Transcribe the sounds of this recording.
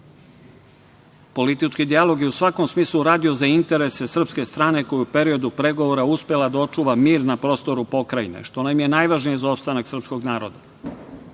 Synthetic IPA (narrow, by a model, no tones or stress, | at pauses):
po̞lit̪it͡ʃkid̪ialˠo̞ɡjeusʋako̞msmiːslˠuɾaːd̪io̞zaint̪e̞ɾe̞se̞sr̩pske̞st̪ɾaːne̞ko̞juupe̞ɾio̞d̪upɾe̞ɡo̞ʋoɾauspʲe̞lad̪ao̞t͡ʃuːʋamiːɾnapɾo̞ːst̪o̞ɾupo̞kɾainḛʃt̪o̞namje̞naːjʋaʒnijezaopst̪anaksr̩psko̞ɡnaːɾo̞d̪a